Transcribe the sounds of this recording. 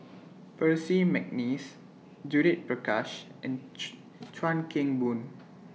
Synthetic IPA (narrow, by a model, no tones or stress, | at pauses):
pəsimɛk̚nis | d͡ʒuɾit̚pɹəkaʃʔɛ̃n | tʰɹãnkʰẽŋbũn